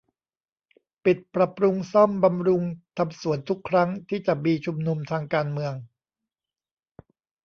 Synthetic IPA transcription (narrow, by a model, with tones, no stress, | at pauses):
pi˨˩t̪̚pɾa˨˩pɾu˧ŋsɔ˥˩mba˧mɾu˧ŋt̪ʰa˧msu˨˩˦ənt̪ʰu˦˥kʰːɾa˦˥ŋt̪ʰiː˥˩t͡ɕa˨˩miː˧t͡ɕʰu˧mnu˧mt̪ʰaː˧ŋkaː˧nmɯ˧əŋ